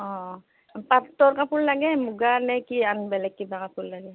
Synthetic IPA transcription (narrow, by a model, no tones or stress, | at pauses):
ɔ̃ | patːɔɹkapullaɡɛmuɡanɛkianbɛlɛkːibakapullaɡɛ